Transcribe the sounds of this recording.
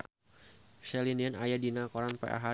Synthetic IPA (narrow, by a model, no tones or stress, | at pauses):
sɛlinianajadinakɔɾanpɛ̰ʔa̰ɦa